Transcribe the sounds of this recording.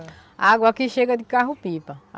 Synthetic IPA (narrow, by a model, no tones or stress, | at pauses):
aɡwakiʃeɡɐd̪ikaɦupipɐ